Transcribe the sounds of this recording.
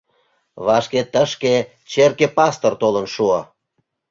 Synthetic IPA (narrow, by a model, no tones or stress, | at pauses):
βɑʃket̪əʃke | t͡ɕerkepɑst̪ort̪olənʃuɑ